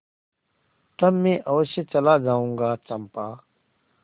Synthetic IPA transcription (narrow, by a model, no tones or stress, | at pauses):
t̪ɐmmẽːʔɔːset͡ɕɐlad͡ʒaːũːŋɡaːt͡ʃɐmpaː